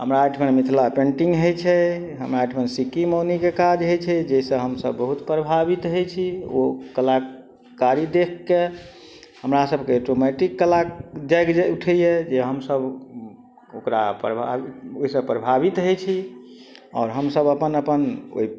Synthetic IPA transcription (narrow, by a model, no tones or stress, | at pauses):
ɦəmɾaeʈʰmənmit̪ʰlapẽɳʈiŋɡɦəjt͡ʃʰɛ | ɦəmɾaeʈʰmənsikimonikekad͡ʒɦəjt͡ʃʰɛd͡ʒɛisə̃ɦəmsəbːəɦut̪pɾəbʱabit̪ɦəjt͡ʃʰio̰kəla | kaɾid̪ekʰːe | həmɾasəbʱkeeʈomeʈikːəlakd͡ʒajkd͡ʒɛuʈʰɛjed͡ʒeɦəmsəb | okɾa̰pɾəbʱa̰ioisə̃pɾəbʱabit̪ɦəjt͡ʃʰi | ɔ̰ːɾɦəmsəbəpənəpəno̰i